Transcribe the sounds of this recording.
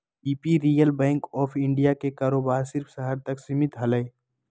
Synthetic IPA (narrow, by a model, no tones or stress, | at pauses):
iːpiɾiːjəlbɛ̃ːŋkɔːpʰɪ̃ɳɖijakekaːɾoːbaːɾsɪɾfʰsɐɦəɾt̪ɐksɪmɪt̪ɦɐləe